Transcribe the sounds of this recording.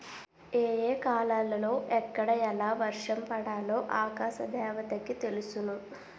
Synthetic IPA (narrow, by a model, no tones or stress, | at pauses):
eːjeːkaːlaːlɐlo̞ːʔɛkːɐɽɐɛlaːʋɐɾʂɐmpɐɽaːlo̞ːʔaːkaːʃɐd̪ʱɛːʋɐt̪ɐkit̪e̞lusunu